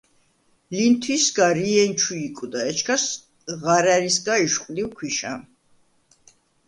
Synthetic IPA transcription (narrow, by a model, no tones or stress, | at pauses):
lint̪ʰwisɡaɾiɛnt͡ʃʰuikʼud̪aɛt͡ʃʰkʰas | ʁaɾaɾisɡaiʃqʼliwkʰwiʃa̰